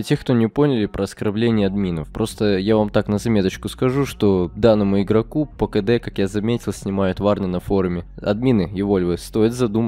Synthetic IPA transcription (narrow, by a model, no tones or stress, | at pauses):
tʲe̞xkt̪onʲɪpo̞nʲɪlʲɪpɾəɐskɐrblʲenʲɪjəɐd̪mʲinəfpɾo̞st̪əjavamt̪aknəzɐmʲe̞t̪ət͡ɕkʊskɐʐuʂt̪o̞d̪anːəmʊɪɡɾɐkupəkəd̪ɛkakjazɐmʲetʲɪlˠsʲnʲɪmajʊt̪varnɨnɐfo̞ɾʊmʲɪɐ̰d̪mʲinɨjɪvo̞lʲvɨst̪o̞jɪt̪zɐd̪umə